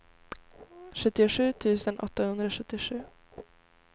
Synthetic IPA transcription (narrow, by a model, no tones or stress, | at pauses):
ɧɵt̪ːɪʊɧʉ̟ːt̪ʰʉ̟ːsənʔɔ̰t̪ːahɵnd̪ɾaɧɵt̪ːɪɧʉ̟ː